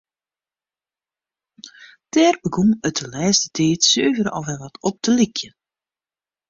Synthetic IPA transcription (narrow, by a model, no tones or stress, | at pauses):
tɛːrbəɡumətəlɛːstətʰeːtsøːvəɾɔ̰fʋɛlˠʋɔtɔp̚tʰəlikʰjən